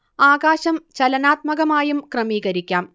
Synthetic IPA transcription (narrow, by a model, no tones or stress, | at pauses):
aːɣaːɕɐmt͡ɕɐlɐnaːt̪̚mɐɣɐmaːjumkrɐmiːɣɐɾikʲːaːm